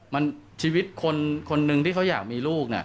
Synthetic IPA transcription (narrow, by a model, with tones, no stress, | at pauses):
ma˧nt͡ɕʰiː˧wi˦˥t̪̚kʰo˧nkʰo˧nːɯ˧ŋt̪ʰiː˥˩kʰa˦˥wjaː˨˩k̚miː˧luː˥˩k̚ni˦˥˩